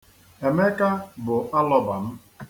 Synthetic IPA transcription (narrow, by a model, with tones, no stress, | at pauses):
e˨me˦ka˦bʊ˨ʔa˦lɔ˦ba˨m̩˦